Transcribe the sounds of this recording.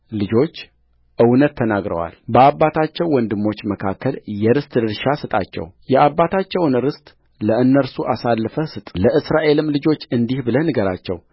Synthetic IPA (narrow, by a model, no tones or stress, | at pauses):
lɨd͡ʒo̞t͡ʃː | ʔɨwnət̪ʰːənaɡɾə̰wa̰lbəaβːat̪ʰat͡ʃːɛwːɔnd̪ɨmːo̞t͡ʃːməkʰakʰːəljɛɾɨst̪ʼɨd̪ɨɾʃasɨt̪ʼa̰t͡ʃːɛ̰wjɛʔabːat̪ʰat͡ʃːɛwnɨɾɨst̪ʼ | ləɨnːəɾsuʔasalːɨfəsɨt̪ʼləʔɨsɾaʔe̞lɨmlɨd͡ʒo̞t͡ʃːɨnd̪ihbɨlənɨɡəɾa̰t͡ʃːɛ̰w